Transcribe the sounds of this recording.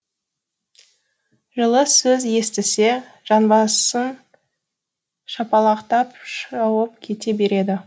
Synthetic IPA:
ʒəlˠəsɵzje̞st̪ɪse̞ | ʒ̥ɑnbɑssən | ʃɑpɑlˠɑqt̪ɑp̚ʃɑwəp̚kʲʰe̞t̪e̞be̞ɾe̞d̪ɪ

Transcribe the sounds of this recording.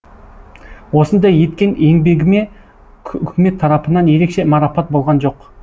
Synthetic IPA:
wo̞sənd̪ɑje̞t̪kʲe̞ne̞ŋbe̞ɡʲɪme̞ | kʲʰʏkʲɪme̞t̪ʰːɑɾɑpənɑnje̞ɾe̞kʃe̞mɑɾɑpɑt̪̚bo̞lˠʁɑnʒo̞q

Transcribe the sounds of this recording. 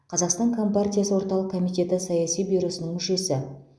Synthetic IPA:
qʰɑzɑqst̪ɑŋkʰo̞mpart̪ʲijasəwo̞ɾt̪ɑlˠəq̚kʰo̞mijt̪ʲe̞t̪ɪsɑjasijbijɾo̞sənəŋmʏʃe̞sɪ

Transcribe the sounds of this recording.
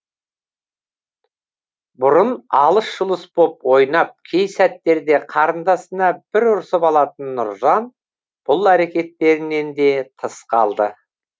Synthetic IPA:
bʊɾənɑlˠəsʒəlˠəsbopwo̞jnɑp̚kʲʰejsæt̪ːe̞ɾd̪e̞qʰɑɾənd̪ɑsənɑb̥ɪɾʊɾsəpɑlˠɑt̪ənːʊ̰ɾzɑn | b̥ʊlˠæɾe̞kʲe̞t̪ːe̞ɾɪne̞nd̪e̞t̪ʰəsqɑ̰lˠd̪ə

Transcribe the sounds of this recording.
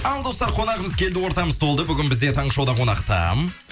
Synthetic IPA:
ɑlˠd̪o̞st̪ɑɾqʰo̞nɑʁəməzkʲʰe̞ld̪ɪwo̞ɾt̪ɑməz̥t̪ʰo̞lˠd̪əbʏɡʲɪnbɪzd̪e̞t̪ʰɑɴəʃɑwd̪ɑqʰo̞nɑqt̪ɑ̰m

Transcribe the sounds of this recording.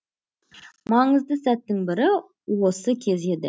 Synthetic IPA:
mɑɴəzd̪əsæt̪ːɪŋbɪɾɪ | wosəkʲʰe̞ze̞d̪ɪ̰

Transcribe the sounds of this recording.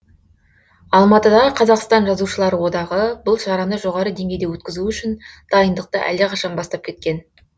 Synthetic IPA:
ɑlˠmɑt̪əd̪ɑʁəqʰɑzɑqst̪ɑnʒɑzuʃəlˠɑɾəwo̞d̪ɑʁəbʊlˠʃɑɾɑnəʒo̞ʁɑɾəd̪e̞ŋɡʲe̞jd̪ewɵt̪̚ʲkʲɪzuʏʃɪnd̪̥ɑjənd̪əq̚t̪əʔæ̰ldːeqʰɑʃɑnbɑst̪ɑp̚kʲʰe̞t̪̚kʲe̞n

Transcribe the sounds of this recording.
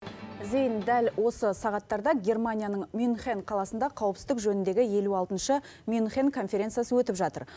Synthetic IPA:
zejnd̪ælwʔo̞səsɑʁɑt̪ːɑɾd̪ɑɡʲe̞rmanʲijanəɴmʲjunχenqʰɑlˠɑsənd̪ɑqʰɑwəpsɪzd̪ɪkʒɵnɪnd̪e̞ɡʲɪje̞luɑlˠt̪ənʃə | mʲjunχenkʰo̞nfʲe̞ɾʲe̞nsɨjasəwɵt̪ɪpʒɑt̪ə̰ɾ

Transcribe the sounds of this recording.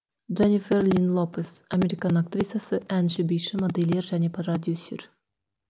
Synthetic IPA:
ʒenʲifʲerlʲinlˠopesɐmʲe̞ɾʲikɑnak̚t̪rʲisjasəʔænʃɪbijʃɪmod̪elʲːeɾʒæne̞prrod̪ʲjusʲːḛr

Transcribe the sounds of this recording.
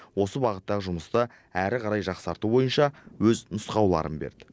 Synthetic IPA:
wo̞səbɑʁət̪ːɑʁəʒʊməst̪ə | æɾɪqʰɑɾɑjʒɑqsɑɾt̪ubo̞jənʃɑwɵznʊsqɑwlˠɑ̰ɾə̰nbḛɾd̪ɪ

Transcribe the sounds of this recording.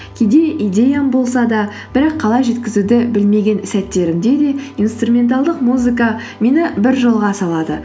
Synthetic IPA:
kʲʰed̪e̞ʔijd̪ʲe̞jambo̞lˠsɑd̪ɑ | b̥ɪɾɑqʰːɑlˠɑjʒe̞t̪kʲɪzud̪ɪbɪlme̞ɡʲe̞nsæt̪ːe̞ɾɪmd̪e̞d̪e̞inst̪rumʲe̞nt̪̬alˠd̪əqmuzɨkɑ | mʲe̞nɪbɪɾʒolˠʁɑsɑlˠɑd̪ə

